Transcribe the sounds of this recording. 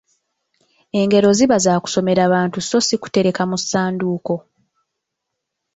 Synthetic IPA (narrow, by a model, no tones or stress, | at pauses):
e̞ŋɡe̞ɾo̞ziβazaːku̥so̞me̞ɾaβaːntuso̞siku̥te̞ɾe̞kamusːaːnduːko̞